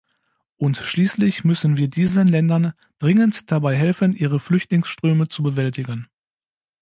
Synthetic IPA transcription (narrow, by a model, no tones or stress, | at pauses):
ʔʊntʃliːslɪçmʏsən̩viːɐdiːzənlɛndɐn | d̥ʁɪŋəntd̥abaɪɦɛlfənʔiːʁəflʏçtlɪŋsʃtʁ̥øːmət͡subəvɛltɪɡən